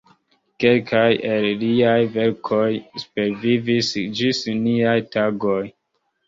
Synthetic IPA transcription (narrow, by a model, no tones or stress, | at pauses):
ke̞lkʰajelliajve̞ɾkʰo̞jspeɾvivisd͡ʒisniajtaɡo̞j